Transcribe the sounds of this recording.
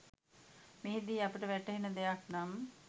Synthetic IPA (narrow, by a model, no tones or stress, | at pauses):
meɦid̪iːapiʈəʋæʈəɦenəd̪ejaknam